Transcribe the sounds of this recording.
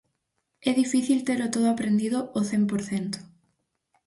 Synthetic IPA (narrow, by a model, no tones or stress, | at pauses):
ɛðifiθilt̪eɾot̪oðoapɾend̪iðooθempoɾθent̪ʊ̥